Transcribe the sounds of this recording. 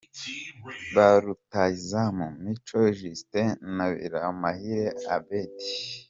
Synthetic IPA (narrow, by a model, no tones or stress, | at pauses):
βaɾutaizamumit͡ʃoʒistenaβḭɾamahiɾeabedi̥